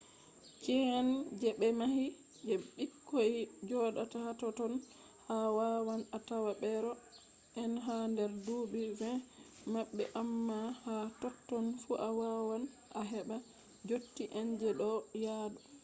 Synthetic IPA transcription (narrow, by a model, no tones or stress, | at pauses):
kɛand͡ʒɛɓɛmahi | d͡ʒɛɓikːojd͡ʒɔɗatahatɔtɔn | hawawanatawaɓɛɾɔ | ʔɛnɦandɛɾdubivɛ | maɓːɛ̰ʔamːahatɔtːɔnfuʔawawan | ʔaɦɛɓa | d͡ʒotːiʔɛnd͡ʒɛɗɔjaːdɔ